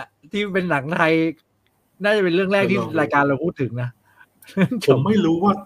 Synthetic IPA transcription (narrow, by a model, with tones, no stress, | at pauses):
t̪ʰiː˥˩pe˧nːa˩˦ŋt̪ʰa˧j | naː˥˩t͡ɕa˨˩pe˧nɾɯ˥˩əŋɾɛː˥˩k̚t̪ʰiː˥˩˥ɾaː˧jkaː˧nɾa˧wpʰuː˥˩t̪ʰːɯ˩˦ŋna˦˥ | ɾɯ˥˩pʰo˩˦mːa˥˩jɾuː˦˥waː˥˩